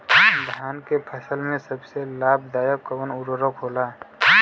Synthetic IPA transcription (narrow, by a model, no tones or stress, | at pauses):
d̪ʱaːnkepʰəsəlmẽsəbselabʱd̪ajəkːəbənuɾəɾəkɦola